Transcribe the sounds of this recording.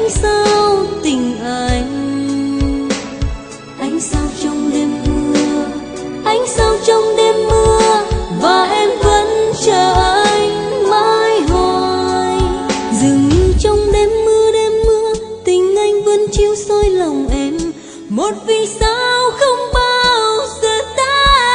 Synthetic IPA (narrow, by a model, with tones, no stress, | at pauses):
a˧jŋ̟sa˧wt̪ï˨˩ŋ̟ʔa˧˩˧jŋ | ʔa˧˦jŋ̟saː˧wt͡ɕɔ˧wŋ͡mɗe˧mːɨ˧əə | ʔa˧jŋ̟saː˧wt͡ɕɔ˧wŋ͡mɗe˧mːɨ˧əvaː˨˩ʔɛ˧mvə˧˥nt͡ɕəː˨˩ʔəː˧jjmaː˧˥jɦɔ˧j | zɨ˨˩ŋɲ˧t͡ɕɔ˧wŋ͡mɗe˧˩mːɨ˧əɗe˧mːɨ˧ət̪ï˨˩ŋ̟ʔa˧jŋ̟və̰˧˥nt͡ɕi˧əwsɔ˧jlɔ˨˩wŋ͡mʔɛ˧˥m | mo˨˩t̚vi˨˩sa˧wxə˧wŋ͡mɓaː˧wzəː˧˨˩t̪aː˦